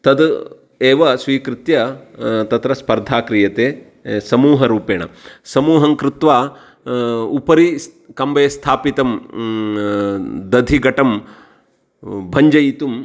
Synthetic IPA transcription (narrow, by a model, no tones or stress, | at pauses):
t̪ɐd̪ | eːʋɐsʋiːkɾɪt̪jɐt̪ɐt̪ɾɐspɐɾd̪ʱaːkɾijɐt̪eː | sɐmuːɦɐɾuːpeːɳɐ̰sɐmuːɦɐŋkɾɪt̪ʋaː | upɐɾi | kɐmbʱeːst̪ʰaːpit̪ɐm | d̪ɐd̪ʱiɡɐʈɐm | bʱɐɲd͡ʒɐjit̪um